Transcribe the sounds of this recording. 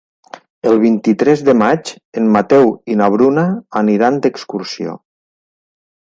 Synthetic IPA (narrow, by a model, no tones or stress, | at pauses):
əlˠβ̞int̪it̪ɾɛzðəmat͡ʃ | enmat̪ɛwinaβ̞ɾunaːniɾand̪əkskursio̰